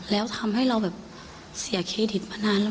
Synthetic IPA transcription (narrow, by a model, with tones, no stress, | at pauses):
lɛː˦˥wt̪ʰa˧mɦa˥˩jɾa˧wbɛː˨˩p̚ | si˨˩˦ɐkʰeː˧t̪ʰi˨˩t̪̚ma˧naː˧nl